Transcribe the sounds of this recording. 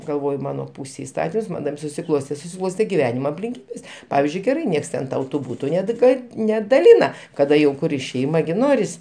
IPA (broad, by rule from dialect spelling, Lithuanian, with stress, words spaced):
ɡɐlˠˈʋoːjʊ ˈmɑːnoː ˈpuːsʲeːj ɪˈstɑːtʲɪms ˈmɐn tɐɪp sʊsʲɪˈklˠoːsʲtʲeː sʊsʲɪˈklˠoːsʲtʲeː ɡʲɪˈʋʲæːnʲɪmɐ ɐpʲlʲɪŋʲˈkʲiːbʲeːs ˈpɑːʋʲɪzʲd͡ʒʲʊɪ ɡʲɛˈrɐɪ ˈnʲiɛks ˈtʲɛn ˈtɐʊ ˈbuːtʊ ˈnʲɛt ˈɡɐt nʲɛdɐˈlʲɪnɐ kɐˈdɐ jɛʊ ˈkʊrʲɪ ʃʲɛɪmɐ ɡʲɪ ˈnoːrʲɪs